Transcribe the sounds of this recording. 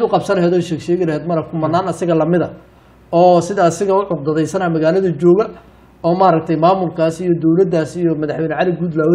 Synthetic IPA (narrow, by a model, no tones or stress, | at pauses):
d̪ʊqɑbsɐnlɐɦɛːd̪ɔːʃɛːɡʃɛːɣɪlɐɦɛːd̪mɐɾɐkkʰʊmɐnːaːnɐsɪɣɐlɐmɪðɐ | ɔːsɪðɐːsɪɣɐʊʕʊqd̪ɐðɛjsɐnaːmɐɣaːlɐðɐt͡ʃɔːɣɐ | ɔːmaːɾɐk̚t̪ʰɐjmaːmʊlkʰaːsijɔd̪ɔwlɐd̪aːsijɔmɐðɐħwɛjnʕɑlɪɡuːd̪laːw